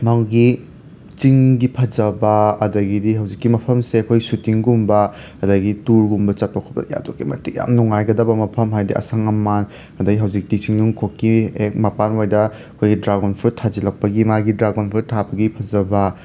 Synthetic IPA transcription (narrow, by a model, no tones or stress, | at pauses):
maŋɡi | t͡ʃiŋɡipʰɐzɐbɐɐdɐɡidiɦɐwd͡ʒikːimɐpʰɐmseɐkʰojsutiŋɡumbɐɐdɐɡituɾɡumbɐt͡ʃɐt̚pɐkʰɔbɐ̰ɐja̰dokːimɐ̰tik̚ja̰mnuŋajɡɐdɐbɐmɐpʰɐmɦajdiʔɐ̰sɐŋɐmːan | ɐdɐɡiɦɐwzik̚tit͡ʃiŋnuŋkʰokːiek̚mɐpanojdɐ | ɐkʰojɡidɾaɡonpʰuɾtʰazilɐk̚pɐɡimaɡidɾaɡonpʰuɾtʰabɐɡipʰɐzɐbɐ